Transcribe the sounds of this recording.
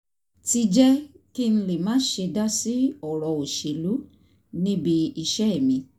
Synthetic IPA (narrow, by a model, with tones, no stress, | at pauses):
ti˧d͡ʒɛ˦ | ki˦n̩˦le˨mãː˨˦ʃe˧da˦si˦ɔ˨ɾɔ˨o˨ʃe˨lu˨˦ | nĩ˦bi˧i˦˧˨ʃɛ˦ɛ˦˨mĩ˧